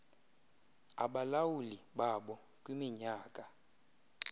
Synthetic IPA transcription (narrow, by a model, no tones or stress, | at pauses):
a̰ɓalawuliɓaɓɔ | kʼwimiɲaːkʼa